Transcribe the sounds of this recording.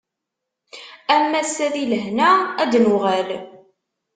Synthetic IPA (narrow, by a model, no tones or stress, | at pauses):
æmːæsːæðiləɦnææd̪nuʁæl